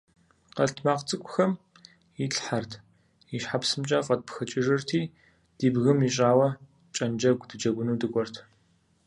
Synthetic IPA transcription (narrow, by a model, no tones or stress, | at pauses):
qɐɬtʰmaːqt͡sʼɨkʷʼʊxɐm | iɬħartʰ | iʃħapsɨmt͡ʃʼɐqʼɐt̚pxɐt͡ʃʼɪʐɨrtʰiː | d̥iːbɣɨmiɕʼaːwɐ | t͡ʃʼɐnd͡ʒɐɡʷdɨd͡ʒɐɡʷʊnuːdɨkʷʼɔrtʰ